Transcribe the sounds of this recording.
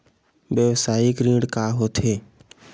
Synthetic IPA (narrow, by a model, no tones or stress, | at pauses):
ʋjəʋsaːɪkɾĩːɽkaːɦot̪ʰeː